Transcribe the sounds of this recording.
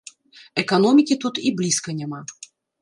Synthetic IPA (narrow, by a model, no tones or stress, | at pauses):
ɛkanɔmʲikʲit̪ut̪iblʲiskɐnʲama